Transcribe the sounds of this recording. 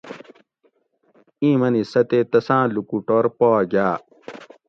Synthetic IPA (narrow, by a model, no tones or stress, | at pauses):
ĩːmɐnisɐt̪et̪ɐsãːlukuʈoɾpɔːɡaː